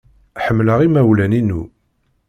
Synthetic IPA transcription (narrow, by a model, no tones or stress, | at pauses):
ħəmːləʁimæwlæninu